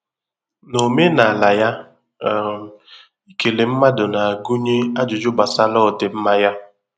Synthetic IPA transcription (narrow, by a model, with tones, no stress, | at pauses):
no˨me˦na˨a˨la˨ja˦˨ | i˦ke˨le˨m̩˦ma˦dʊ˨na˨a˨ɡu˦ɲe˦a˦d͡ʒʊ˨d͡ʒʊ˦ba˨sa˦lɔ˦˨de˨m̩˦ma˦ja˦